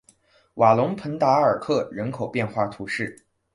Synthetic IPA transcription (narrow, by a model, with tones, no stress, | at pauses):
wa˨˩lʊ˧˥ŋpʰə˧˥nt̪a˧˥ə˞˨˩kʰɤ˥˩ɻə˧˥nkʰo˨˩ʊpjɛ˥˧nxwa˥˩t̪ʰu˧˥ʂɻ̩˥˩